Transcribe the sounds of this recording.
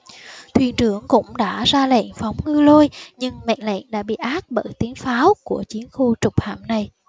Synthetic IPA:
t̪ʰwḭ˧˩nt͡ɕɨ˧˩əŋkʊ̰˧˥ŋ͡mɗa̰ː˧˥zaː˧lɛ̰˧˨nfa˨˦wŋ͡mŋɨ˧lo˧jɲɨ˧ŋmɛ̰˧˨nlɛ̰˧˨nɗa̰ː˧˥ɓḭ˧˨ʔaː˦˥t̚ɓəː˧˩jt̪i˨˦ənfaː˨˦wku˧˩ət͡ɕi˨˦ənxu˧t͡ɕʊ˨˩k͡p̚ha̰ː˧˩˨mna˨˩j

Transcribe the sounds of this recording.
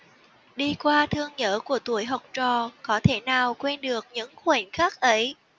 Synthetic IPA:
ɗi˧kwaː˧t̪ʰɨ˧əŋɲəː˧˥ku˧˩ət̪u˧˩əjɦa˨˩wk͡p̚t͡ɕɔ˨˩kɔ˨˦t̪ʰe˧˩naː˨˩wkwɛ˧nɗɨ˨˩ək̚ɲɨ̰˧˥ŋxwe˧˩nxaː˦˥k̚ʔə˨˦j

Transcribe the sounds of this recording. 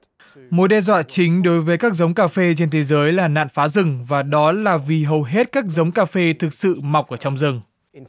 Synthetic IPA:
mo˨˥t̚ɗɛ˧zwa̰ː˧˨t͡ɕï˨˦ŋ̟ɗo˨˦jvəː˨˦jkaː˦˥k̚zə˨˦wŋ͡mkaː˧fe˧t͡ɕe˧nt̪ʰe˨˦zəː˨˦jlaː˨˩na̰ː˧˨nfaː˨˦zɨ˨˩ŋvaː˨˩ɗɔ˨˦laː˨˩vi˨˩ɦə˨˩wɦe˦˥t̚kaː˦˥k̚zə˨˦wŋ͡mkaː˧fe˧t̪ʰɨ˨˩k̚sɨ̰˧˨ma˨˩wk͡p̚ʔəː˧˩˨t͡ɕɔ˧wŋ͡mzɨ˨˩ŋ

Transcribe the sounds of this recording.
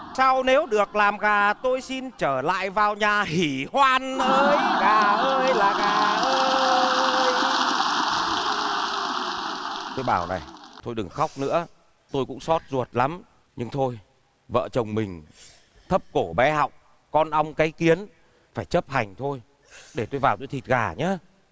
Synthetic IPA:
sa˧wne˨˦wɗɨ˨˩ək̚laː˨˩mɣaː˨˩t̪o˧jsi˧nt͡ɕəː˧˩la̰ː˧˨jvaː˨˩wɲaː˨˩hi˧˩hwaː˧nʔəː˧jkaː˨˧˩ʔəː˧jlaː˨˩kaː˧˩ʔəː˧ | j | t̪o˧jɓaː˧˩wna̰˨˩jt̪ʰo˧jɗɨ˨˩ŋxa˦˥wk͡p̚nɨ̰˧˥ə | t̪o˧jkʊ̰˧˥ŋ͡msɔ˦˥t̚zu˨˩ət̚la˨˦m | ɲɨ˧ŋt̪ʰo˧j | və̰ː˧˨t͡ɕə˨˩wŋ͡mmï˨˩ŋ̟ | t̪ʰə˦˥p̚ko˧˩ɓɛ˨˦ha̰˨˧˨wk͡p̚ | kɔ˧nʔa˧wŋ͡mkaː˨˦jki˨˦ən | faː˧˩jt͡ɕə˦˥p̚ha˨˩jŋ̟t̪ʰo˧j | ɗe˧˩t̪o˧jvaː˨˩wt̪o˧jt̪ʰi˨˩t̚ɣaː˧˩ɲaː˨˦

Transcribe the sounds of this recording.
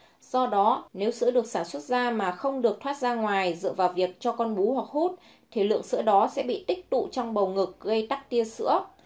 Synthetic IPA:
z̥ɔ˧ɗɔ˨˦ne˨˦wsɨ̰˧˥əɗɨ˨˩ək̚saː˧˩nswə˦˥t̚zaː˧maː˨˩xə˧wŋ͡mɗɨ˨˩ək̚t̪ʰwaː˦˥t̚zaː˧ŋwaː˨˩jzɨ̰˧˨vaː˨˩wvi˨˩ək̚t͡ɕɔ˧kɔ˧nɓu˨˦hwa˨˩k̚hu˦˥t̚ | t̪ʰi˨˩lɨ̰˧˨əŋsɨ̰˧˥əɗɔ˨˦sɛ̰˧˥ɓḭ˧˨t̪ï˦˥k̚t̪ṵ˧˨t͡ɕɔ˧wŋ͡mɓə˨˩wŋɨ˨˩k̚ɣə˧jt̪a˦˥k̚t̪i˧əsɨ̰˧˥ə

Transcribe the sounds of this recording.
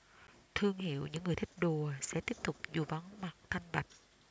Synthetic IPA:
t̪ʰɨ˧əŋhḭ˧˨əwɲɨ̰˧˥ŋːɨ˨˩əjt̪ʰi˦˥k̚ɗu˨˩əsɛ̰˧˥t̪i˦˥əp̚t̪ʊ˨˩k͡p̚zu˨˩va˨˦nma˨˩k̚t̪ʰa˧jŋ̟ɓa˨˩jk̟̚

